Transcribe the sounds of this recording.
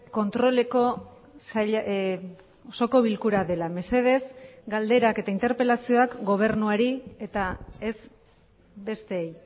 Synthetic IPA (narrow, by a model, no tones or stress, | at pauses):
ko̞nt̪ɾo̞le̞ko | saʎ | oso̞ko̞β̞ilkuɾaðe̞lame̞se̞ð̞e̞zɡald̪e̞ɾake̞t̪aint̪e̞ɾpe̞lasio̞akɡo̞β̞e̞ɾnuaɾie̞t̪ae̞z | be̞st̪e̞ej